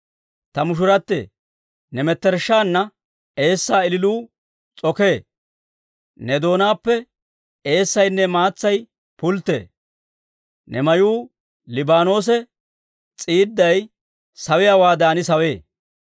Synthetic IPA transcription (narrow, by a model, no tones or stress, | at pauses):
t̪ɐmʊʃ̬ʊɾɐt̪ːḛː | nɛmɛt̪ːɛɾʃːaːnːɐ | e̞ːsːaːɪlɪluː | t͡sʼɔkeː | nɛd̪o̞ːnaːpːɛ | e̞ːsːɐjnːɛmaːt͡sːɐj | pʊlt̪ːḛː | nɛmɐjuː | lɪbaːno̞ːs̬ɛ | t͡sʼiːd̪ːɐj | sɐwɪjaːwaːd̪aːnɪsɐweː